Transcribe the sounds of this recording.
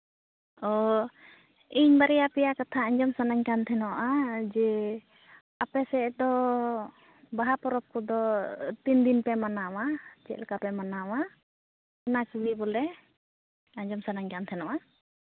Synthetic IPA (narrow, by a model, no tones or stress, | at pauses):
ɔ | iɲbaɾɛjapɛjakat̪ʰaaɲd͡ʒɔmsanaɲkant̪ʰɛnɔʔad͡ʒɛ | apɛsɛd̪ɔ | baɦapɔɾɔp̚kɔd̪ɔt̪ind̪inpɛmanawad͡ʒɛ̰ʔlkapɛmanawa | nakbibɔlɛ | aɲd͡ʒɔmsanaɲkant̪ʰɛnɔʔa